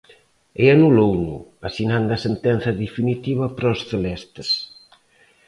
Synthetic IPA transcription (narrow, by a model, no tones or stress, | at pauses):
eanulownʊ̰asinand̪ɐsent̪ɛn̟θɐðefinit̪iβɐpɾasθelɛst̪es